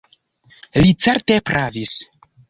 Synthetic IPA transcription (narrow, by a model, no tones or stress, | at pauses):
lit͡seɾtepɾʔavis